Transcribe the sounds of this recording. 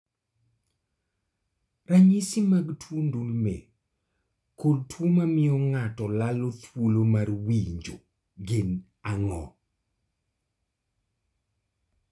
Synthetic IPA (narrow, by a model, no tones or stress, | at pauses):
raɲisimaɡtʰwundulmḛ | koltwumamɪɔŋatɔlalot̪wolomarwiɲd͡ʒo̰ | ɡɪn | aŋɔ̰